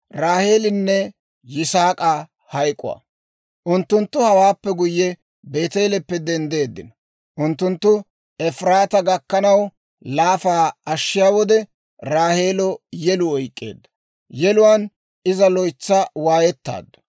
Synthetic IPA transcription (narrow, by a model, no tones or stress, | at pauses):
ɾaːhe̞ːlɪnːɛ | jɪsaːkʼaː | hɐjkʼʊ̰wa̰ | ʔʊnt̪ːʊnt̪ːʊhɐwaːpːɛɡʊjːɛ | be̞ːt̪eːlɛpːɛd̪ɛnd̪e̞ːd̪ːɪ̰nɐ | ʔʊnt̪ːʊnt̪ːʊ | ɛfɾaːt̪ɐɡɐkːɐnɐw | laːfaːɐʃːɪjaːwɔd̪ɛ | ɾaːhe̞ːlɔjɛlʊɔjkʼːe̞̰ːd̪ːɐ̥ | jɛlʊwan | ɪzɐlɔjt͡sːɐwaːjɛt̪ːa̰ːd̪ːʊ̥